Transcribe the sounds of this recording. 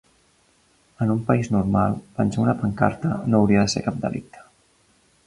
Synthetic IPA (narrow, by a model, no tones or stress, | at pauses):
ənumpəiznurmalˠpənsaunəpəŋka̰ɾt̪ənoːwɾiəðəsḛkap̚d̪ə̰lʔḭk̚t̪ʰə̥